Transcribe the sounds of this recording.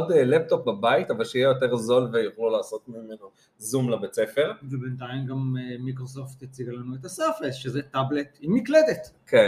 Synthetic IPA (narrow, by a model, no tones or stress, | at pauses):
odlep̚to̞p̚babaitavalʃeijejo̞te̞ʁzo̞lvejoχlulaːso̞tmimeno | zumlabet͡se̞fe̞ʁvebentajimɡammikʁosoft̪at͡siɡalanuet̪asafesʃezetablet̪imikledetkʰe